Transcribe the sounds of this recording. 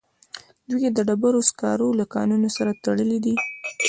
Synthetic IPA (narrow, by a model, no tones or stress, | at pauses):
d̪wijed̪əɖabaɾoskɑ̰ɾolakɑ̰nunosaɾat̪aɽəlid̪i